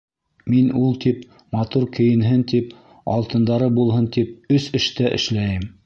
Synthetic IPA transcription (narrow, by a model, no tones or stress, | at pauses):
minulˠt̪ip̚ | mɑt̪uɾkɘ̆jɘ̆nɦɘnt̪ip | ɑ̰lˠt̪ɤ̆nd̪ɑɾɤbulˠɦɤnt̪ipɵsɘ̆ʃt̪æʔɘ̰̆ʃlæjɘm